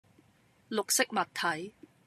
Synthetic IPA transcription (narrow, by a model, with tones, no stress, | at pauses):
lʊ˨k̚sɪ˥k̚mɐ˨t̪ʰɐ˨˥j